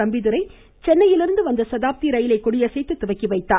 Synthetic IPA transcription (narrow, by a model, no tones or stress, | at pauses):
ɐmbɪðɯɾɐɪ | t͡ʃɛnːɐjɪlɪɾɯnd̪ɯʋɐnd̪ɐsɐðaːp̚t̪iɾɐjɪlɐɪkːʊɽɪjɐsɛɪt̪ːɯt̪ːʊʋɐɪkːiʋɐɪt̪ːaː